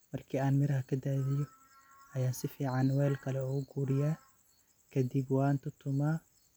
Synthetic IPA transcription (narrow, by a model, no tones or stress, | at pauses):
mɐrkʰiːaːnmɪɾɐɦɐkʰɐd̪aːðɪjɔ | ʔɐjaːsɪfiːʕɑnwɛːlkʰɐlɛuːʊɡuːɾɪjaː | kʰɐd̪ɪbwɑːnt̪ʰʊt̪ʰʊmaː